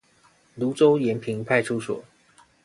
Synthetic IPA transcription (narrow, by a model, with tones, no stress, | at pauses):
lu˨˥t͡so˦ʊjɛ˨˥npʰi˨˥ŋpʰa˥˧ɪʈ͡ʂʰu˥swɔ̰˨˩˦